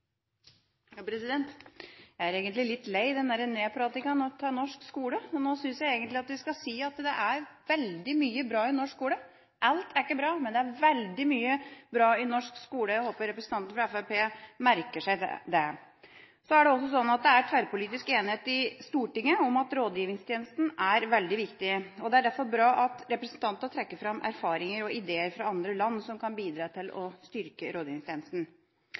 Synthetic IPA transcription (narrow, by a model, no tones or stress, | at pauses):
jɑpʰɾɛsɪd̪ɛnt̪jæɪæɾeːɡənt̪lɪlɪt̪ːleɪd̪ɛnd̪æɾəneːpʰɾɑt̪ːɪkɑnɔt̪ʰɑːnɔʂkskuːləɔnoːsʏnsjæɪeːɡənt̪lɪɑt̪ʋɪskɑsiːɑt̪d̪ɛʔæɾʋɛld̪ɪmyːəbɾɑːɪnɔʂkskuːlə | ʔɑlt̪ʰæɾkːəbɾɑːmɛnd̪ɛæɾʋɛld̪ɪmyːəbɾɑːɪnɔʂkskuːləjæɪhoːpəɾɛpɾəsən̩t̪ɑnt̪n̩fɾɑɛfæpʰeːmæɾkəʂæɪ̰d̪ɛ | sɔæɖɛɔsːɔsɔnːɑt̪̚d̪ɛæɾt̪ʰʋæɾpʊliːt̪ɪskeːnɪheːt̪ɪst̪uːʈɪŋːəɔmɑt̪ɾoːd̪jiːʋɪŋst̪ʰjeːnəst̪n̩æɾʋɛld̪ɪʋɪkt̪ɪɔd̪ɛæɖæɾfɔɾbɾɑːʔɑt̪ɾɛpɾəsn̩t̪ʰɑnt̪ənət̪ʰɾɛkːəɾfɾɑmːʔæ̰ɾfɑːɾɪŋəɾɔɪd̪eːəɾfɾɑɑnd̪ɾəlɑnːsɔmkʰɑnbiːd̪ɾɑːt̪ʰɪlʔɔ̰st̪ʏɾkəɾoːd̪jiːʋɪŋst̪ʰeːnəst̪n̩